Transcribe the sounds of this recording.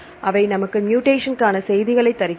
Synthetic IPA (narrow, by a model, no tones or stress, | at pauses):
ʔɐʋɐɪnɐmɐkːɯmjuːʈeːʂɐnkaːnɐsɛjðɪɣɐɭɐɪt̪ːɐɾɪkː